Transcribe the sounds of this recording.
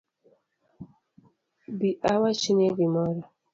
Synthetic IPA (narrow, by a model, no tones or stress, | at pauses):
biʔawat͡ʃineɡimɔɾi